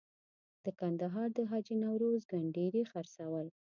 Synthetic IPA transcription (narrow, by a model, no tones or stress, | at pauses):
d̪̥əkand̪aɦɑɾd̪əɦɑd͡ʒinawɾozɡaɳɖeɾexaɾsawəl